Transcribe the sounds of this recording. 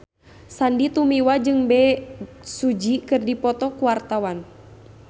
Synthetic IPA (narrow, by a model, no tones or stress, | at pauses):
sandit̪umiwad͡ʒɨŋbɛ | sud͡ʒikɨrdipɔt̪ɔkuwart̪awan